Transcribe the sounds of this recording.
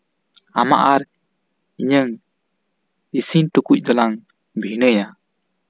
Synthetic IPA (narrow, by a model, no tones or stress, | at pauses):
ama̰ʔaɾ | iɲəŋ | isintukuc̚d̪ɔlaŋ | bʱinəja